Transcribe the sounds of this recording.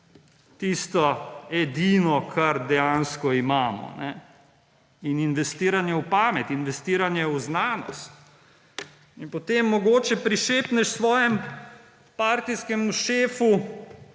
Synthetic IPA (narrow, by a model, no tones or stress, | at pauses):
t̪ist̪ɔɛd̪iːnɔkʰaɾd̪ɛjanskɔimaːmɔ̰nɛ | ininʋɛst̪iːɾanjɛupaːmɛt̪inʋɛst̪iːɾanjɛwznaːnɔ̰st̪ | inpɔt̪eːmːɔɡoːt͡ʃɛpɾiʃeːpnɛʃsʋɔːjɛm | paːɾt̪iskɛmʃeːfu